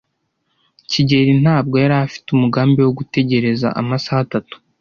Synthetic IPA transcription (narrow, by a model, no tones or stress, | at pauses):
ciɟe̞ɾin̥aːb̚ɡo̞jaɾaafi̥tumuɡaːmbiwo̞ɡute̞ɟe̞ɾe̞za̰ʔa̰masahatatu̥